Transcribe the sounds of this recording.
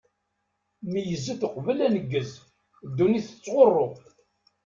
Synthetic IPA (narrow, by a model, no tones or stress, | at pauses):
mijəzːət̪əqvəlænəɡːəz | d̪ːuniθə̥t͡sːʁorˤːo